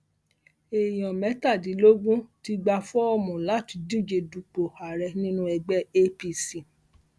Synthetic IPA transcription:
e˨j̃ɔ̃˨mɛ˨˦ta˦˨dĩ˨˦lo˦ɡũ˦ti˧ɡ͡ba˧fɔ˦ɔ˦mɔ̃˨la˨˦˨ti˨˧di˦˨d͡ʒe˧du˨k͡po˨a˨ɾɛ˧nĩ˦nũ˦ɛ˧ɡ͡bɛ˦e˦pi˧si˨

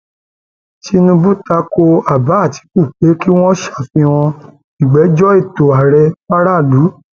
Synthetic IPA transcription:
ti˧nũ˧bu˦ta˧ko˧a˨ba˨˦˨ti̥˨˦ku˦˨k͡pe˨˦ki˦w̃ɔ̃˦ʃḁ˦˨fĩ˧w̃ɔ̃˧ | i˨ɡ͡bɛ˨˦d͡ʒɔ˦i˦˨to˨a˨ɾɛ˧ba˦ɾa˦˨du˨˦

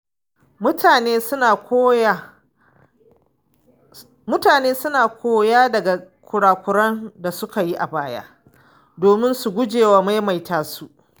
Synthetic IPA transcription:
mʊ˦taː˨neː˦naː˨kː | mʊ˦taː˨neː˦sʊ˦naː˨kʷʰoː˦jaː˦dɐ˨ɡa˨kʷʊ˨ɽaː˨kʷʊ˨ɾɐ˦nda˨sʊ˦ka˨ji˦ʔa˨baː˦ja̰˦ | doː˨mɪ˦nsu˨ɡʷʊ˦d͡ʒeː˨waː˨˦ma˦jma˨jtaː˦su˨ʔ

